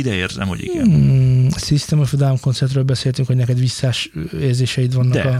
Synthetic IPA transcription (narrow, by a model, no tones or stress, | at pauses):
id̪ɛḛːrzɛ̰mho̰ɟḭɡɛ | sist̪ɛmofd̪amko̞nsɛrt̪røːlbɛseːlt̪yŋkho̞ɟnɛkɛd̪ʋisːaːʃeːrzeːʃɛjit̪ʋɒnːɒkɒ